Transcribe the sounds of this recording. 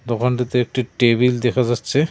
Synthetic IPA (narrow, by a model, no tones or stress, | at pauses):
d̪ɔkʰanʈit̪eek̚ʈiʈeβild̪ɛkʰad͡ʑatːɕʰe